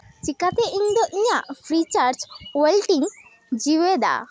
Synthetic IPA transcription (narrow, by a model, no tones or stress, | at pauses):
t͡ʃikat̪ɛʔiɲd̪ɔʔiɲaʔpʰɾit͡ʃaɾt͡ʃwelʈiŋ | d͡ʒiwɛd̪a̰